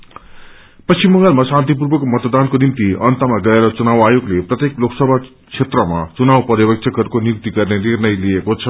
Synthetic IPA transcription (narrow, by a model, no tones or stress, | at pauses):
pʌtsimːʌŋɡʌlmasãnt̪̬ip̬urbʌkomʌt̪d̪ankonimt̪iʌnt̪ʌmaɡʌeɾʌt͡sunawajoɡleprʌt̪ekloksʌbʱa | t͡sʰet̪rʌmat͡sunawpʌɾʌbʌk̚t͡sʰʌkɦʌɾukonjuk̚t̪iɡʌrnenirnʌjlijekot͡sʰʌ